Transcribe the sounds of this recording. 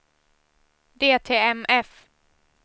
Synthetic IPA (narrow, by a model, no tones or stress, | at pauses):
d̪eːt̪ʰeːɛmɛf